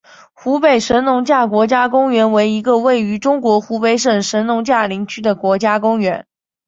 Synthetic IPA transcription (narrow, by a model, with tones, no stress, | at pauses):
xu˧˥pe˨˩ɪʂə˧˥nnʊ˧˥ŋt͡ɕja˥˩kwɔ˧˥t͡ɕja˥kʊ˥ŋɥɛ˧˥nwe˧˥ɪi˧˥ɡə˧we˥˩ɪy˧˥ʈ͡ʂʊ˥ŋkwɔ˧˥xu˧˥pe˧˥ɪʂə˨˩ŋʂə˧˥nnʊ˧˥ŋt͡ɕja˥˩li˧˥ŋt͡ɕʰy˥d̪ə˨kwɔ˧˥t͡ɕja˥kʊ˥ŋɥɛ˧˥n